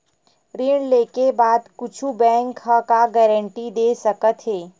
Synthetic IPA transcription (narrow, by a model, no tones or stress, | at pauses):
ɾɪːɳleːkebaːd̪kʊt͡ʃʰubɛ̃ːŋkːakaɡɛːɾə̃ɳʈid̪eːsɐkət̪ɦeː